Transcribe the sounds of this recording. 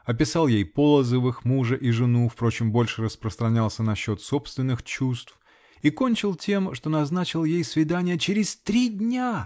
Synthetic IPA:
ɐp̬ʲɪsɑlˠjejpo̞lˠəzəvɨxmuʐəʔiʐɨnufpɾo̞t͡ɕɪmbo̞lʲʂɨrəspɾəst̪ɾɐnʲalˠsʲənɐɕːo̞t̪so̞pst̪vʲɪnːɨxt͡ɕust̪f | iko̞nʲt͡ɕɪlˠtʲe̞mʂt̪o̞nɐznat͡ɕɪlˠjejsvʲɪd̪anʲɪjət͡ɕɪɾʲɪsʲt̪ɾʲidʲnʲa

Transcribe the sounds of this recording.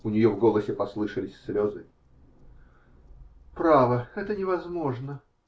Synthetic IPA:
ʊnʲɪjovɡolˠəsʲɪpɐslˠɨʂəlʲɪsʲslʲozɨ | pɾavəɛt̪ənʲɪvɐzmo̞ʐnə

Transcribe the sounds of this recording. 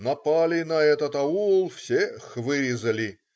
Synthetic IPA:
nɐpalʲɪnɐɛt̪ət̪ɐulˠfsʲexvɨɾʲɪzəlʲɪ

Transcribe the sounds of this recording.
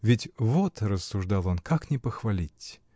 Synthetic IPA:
vʲɪtʲvot̪ɾəsːʊʐd̪alˠonkaknʲɪpəxvɐlʲitʲ

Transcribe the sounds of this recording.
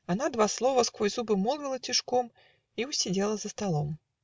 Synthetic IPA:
anad̪vaslˠɔvɐskɔjzubɨmɔlˠɡʲɨlˠɐt͡sʲiʂkɔm | iusʲɛd͡zʲelˠɐzɐst̪alˠɔm

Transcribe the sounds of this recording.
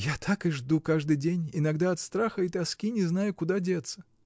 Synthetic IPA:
jat̪ʰakɨʐd̪ukaʐd̪ɨjdʲenʲɪnaɡd̪aɐt̪st̪ɾaxəit̪ɐskʲinʲɪznajʊkʊd̪adʲet̪sə

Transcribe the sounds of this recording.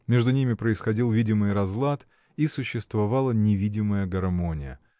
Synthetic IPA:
mʲeʐd̪ʊnʲimʲɪpɾəɪsxɐdʲilˠvʲidʲɪmɨjɾɐzlˠat̪ | isʊɕːɪst̪vɐvalˠənʲɪvʲidʲɪməjəɡɐrmonʲɪjə̰

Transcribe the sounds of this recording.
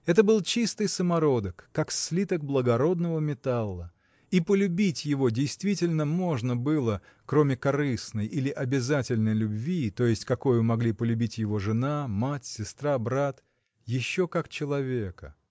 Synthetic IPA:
ɛt̪əbɨlˠt͡ɕist̪ɨjsəmɐɾo̞d̪əkːakslʲit̪əɡ̚blˠəɡɐɾo̞d̪nəvəmʲɪt̪alˠːə | ipəlʲʊbʲitʲjɪvo̞dʲɪjst̪vʲitʲɪlʲnəmo̞ʐnəbɨlˠə | kɾo̞mʲɪkɐɾɨsnəjʔilʲɪʔɐbʲɪzatʲɪlʲnəjlʲʊbvʲit̪o̞jɪsʲtʲkɐko̞jʊmɐɡlʲipəlʲʉbʲitʲjɪvo̞ʐɨnamatʲsʲɪst̪ɾabɾat̪ | jɪɕːokakt͡ɕɪlˠɐvʲekə̰

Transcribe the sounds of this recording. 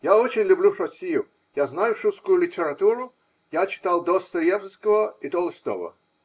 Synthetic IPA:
jaot͡ɕɪnʲlʲʊblʲuʂɐsʲijʊ | jaznajʊʂuskʊjʊlʲɪtʲɪɾat̪uɾʊ | jat͡ɕɪ̥t̪alˠd̪ost̪ɾjɛvskəvəɪt̪olˠəsʲt̪o̰və̰

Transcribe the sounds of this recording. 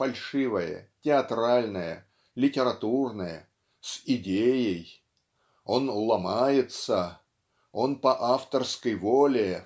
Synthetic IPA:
fɐlʲʂɨvəjə̰tʲɪɐt̪ɾalʲnəjə̰ | lʲɪtʲɪɾɐt̪urnəjə̰ | sɪdʲejɪj | o̞nʊlˠɐmajɪt̪sə | o̞npəʔaft̪ərskəjvolʲɪ

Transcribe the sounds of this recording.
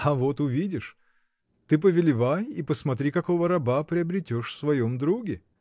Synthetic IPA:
ɐvo̞t̪ʊvʲidʲɪʂ | t̪ɨp̬əvʲɪlʲɪvajipəsmɐt̪ɾʲikɐko̞vəɾɐbapɾʲɪɐbɾʲɪtʲoʂfsvɐjomd̪ɾuɡʲɪ

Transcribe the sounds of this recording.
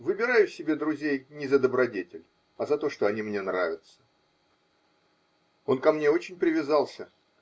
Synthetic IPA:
vɨbʲɪɾajʊsʲɪbʲe̞d̪ɾʊzʲejnʲɪzəd̪əbɾɐdʲetʲɪlʲ | ɐzɐt̪o̞ʂt̪o̞ɐnʲimnʲe̞nɾavʲɪt̪sə̥ | o̞nkɐmnʲe̞o̞t͡ɕɪnʲpɾʲɪvʲɪzɑlˠsʲə

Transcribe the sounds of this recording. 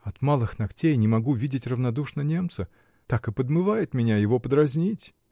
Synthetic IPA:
ɐt̪malˠɨxnɐktʲejnʲɪmɐɡuvʲidʲɪtʲrəvnɐd̪uʂnənʲe̞mt̪sə | t̪akɨpəd̪mɨvajɪt̪mʲɪnʲajɪvo̞pəd̪ɾɐzʲnʲitʲ

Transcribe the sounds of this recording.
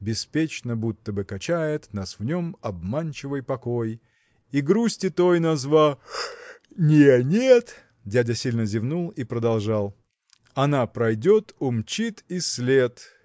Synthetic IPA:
bʲɪspʲet͡ɕnəbut̪ːəbɨkɐt͡ɕæjɪt̪nasvnʲomɐbmanʲt͡ɕɪvɨjpɐkoj | iɡɾusʲtʲɪt̪ojnɐzva | nʲenʲet̪ | dʲædʲəsʲilʲnəzʲɪvnulˠipɾəd̪ɐlˠʐɑlˠ | ɐnapɾɐjdʲot̪ʊmt͡ɕit̪isʲlʲet̪

